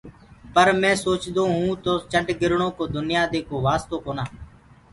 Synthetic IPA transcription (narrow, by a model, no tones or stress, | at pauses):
pəɾmɛ̃ːsoːt͡ʃd̪õːɦũːt̪oːt͡ʃəɖɡɪɾɳõːkoːd̪ʊnɪjaːd̪eːkoːʋaːst̪oːkoːnaː